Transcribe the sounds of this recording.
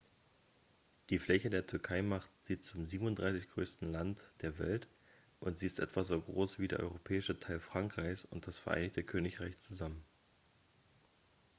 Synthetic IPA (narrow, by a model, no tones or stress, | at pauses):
d̥iːflɛçədeːɐtʰʏɐkʰaɪmaχtz̥iːtt͡sʊmziːbm̩ʊndʁaɪsɪçɡ̥ʁøːstn̩lantd̥eːɐvɛ̰lt | ʔʊntz̥iːɪstʔɛ̰tv̥azoːɡʁoːsv̥iːdḛːɐʔɔ̰ʏʁopʰɛːɪʃətʰaɪlfʁ̥aŋkʁ̥aɪçsʊ̰nt̚d̥asfɛɐʔa̰ɪnɪçtəkʰøːnɪçʁaɪçt͡suzamən